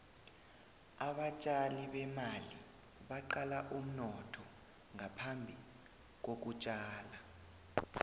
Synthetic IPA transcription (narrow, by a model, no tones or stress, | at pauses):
aɓat͡ʃʼaliɓɛmali | ɓaǃalaʔum̩nɔtʰɔ | ŋʱapʰambʱi | k̬ok̬ut͡ʃʼaːla